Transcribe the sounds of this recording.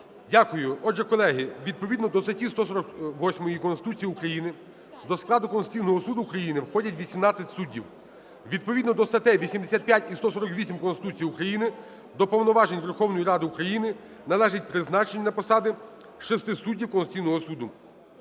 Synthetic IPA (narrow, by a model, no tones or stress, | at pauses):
dʲakʊjʊɔdʒɛkɔlˠɛɦɪʋʲid̪̚pɔʋʲid̪nɔd̪ɔst̪ɐtʲist̪ɔsɔɾɔkʋɔsʲmɔjikɔnst̪ɪ̥t̪ut͡sʲijukɾɐjinɪ | d̪ɔsklˠɑd̪ʊkɔnst͡sʲijnɔɦɔsud̪ʊːkɾɐjinɪwxɔdʲɐtʲʋʲisʲimnɑt͡sʲːɐtʲsudʲːiw | ʋʲid̪̚pɔʋʲid̪nɔd̪ɔst̪ɐt̪ɛʋʲisʲimd̪esʲat̪̚pjatʲist̪ɔsɔɾɔkʋʲisʲimkɔnst̪ɪ̥t̪ut͡sʲijukɾɐjinɪ | d̪ɔpɔwnɔʋɑʒenʲʋerxɔwnɔjiɾɑd̪ɪukɾɐjinɪ | nɐlˠɛʒɪt̚ʲpɾɪznɑt͡ʃenʲɐnɐpɔsɑd̪ɪ | ʃɛst̪ɪsudʲːiwkɔnst͡sʲijnɔɦɔsud̪ʊ